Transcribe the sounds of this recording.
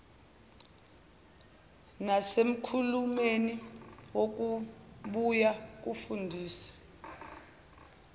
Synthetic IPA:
nasem̩kʰulumeniwok̬uɓujak̬ufundʱiːsḁ

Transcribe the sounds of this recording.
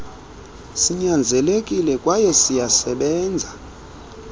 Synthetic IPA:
siɲand͡zʱɛlekʼilɛkʼwajɛsijasɛɓɛːnd͡zʱa

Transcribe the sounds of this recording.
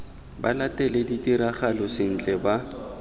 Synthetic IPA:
ba̰latʼɛleditʼiɾaχalɔsɪn̩t͡ɬʼɛba

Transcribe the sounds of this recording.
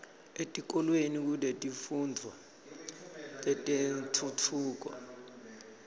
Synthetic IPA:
etʼik̬ʼɔlwenik̬uletʼifundʱwa | tʼɛtʼentʰutʰuːk̬ɔ̰

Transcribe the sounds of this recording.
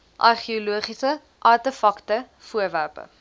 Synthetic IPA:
ʔɐrχioluəχisə | ʔɐrtəfɐktə | fuərværpə̰

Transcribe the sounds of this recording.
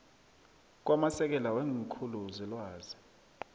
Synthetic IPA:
k̬wamasɛk̬ɛlaweŋkʰuluzilwaːzi

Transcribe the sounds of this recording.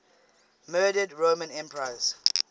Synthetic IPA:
mɜːdədɹomə̃nɛ̃mpɹaz̥

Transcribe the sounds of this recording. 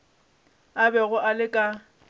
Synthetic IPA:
abɛɣʊʔalɪkʼa

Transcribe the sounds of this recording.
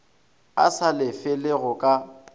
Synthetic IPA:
a̰salɪfɪlɪɣʊkʼa

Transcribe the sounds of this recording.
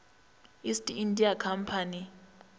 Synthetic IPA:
istʼiindʼiakʰam̩pʰani

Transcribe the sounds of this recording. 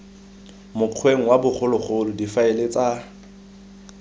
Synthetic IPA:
mʊq͡χʰweŋ̩wabʊχʰʊlʊχʊlʊdifaɪlet͡sʼa

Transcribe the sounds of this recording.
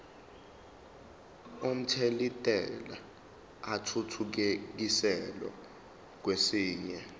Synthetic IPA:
um̩tʰelitʼɛla | atʰutʰuk̬ek̬isɛlɔ̰ | k̬wesiːɲɛ

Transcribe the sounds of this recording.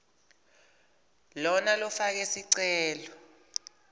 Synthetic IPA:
lɔnalɔfak̬ɛsiǀɛːlɔ

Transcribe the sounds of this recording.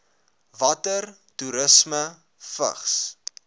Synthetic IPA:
vɐtər | tuɾəsmə | fə̰χs

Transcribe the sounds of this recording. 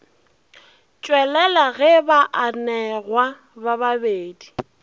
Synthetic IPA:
t͡ʃʼwɛlɛlaɣɛbaʔanɛɣwa | baβabeːdi

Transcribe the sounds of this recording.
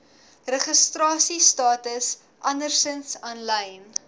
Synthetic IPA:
rəχəstrɑːsistɑːtəs | ʔɐndərsənsɐnlɛjn

